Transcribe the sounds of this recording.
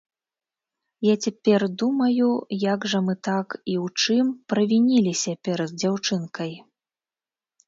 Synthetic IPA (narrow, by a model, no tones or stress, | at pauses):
jat͡sʲapʲɛrd̪umɐjujaɡʐɐmɨt̪akiwt͡ʂɨmpɾɐvʲinʲilʲisʲɐpʲɛɾɐd̪d͡zʲawt͡ʂɨnkɐj